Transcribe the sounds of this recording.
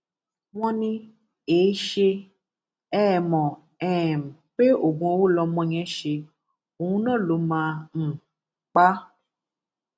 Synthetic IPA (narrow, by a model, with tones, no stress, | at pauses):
w̃ɔ̃˦nĩ˧ | eː˨˦ʃe˧ | ɛː˦˨mɔ̃˨ | ɛ˨m̩˨k͡pe˦o˦˨ɡ͡bũ˧o˧wo˦lɔ˧mɔ̃˧˦ɲ̃ɛ̃˦ʃe˧ | o˨ũ˧nã˦˨lo˨˧˦mãː˧˦n̩˨ | k͡pa˦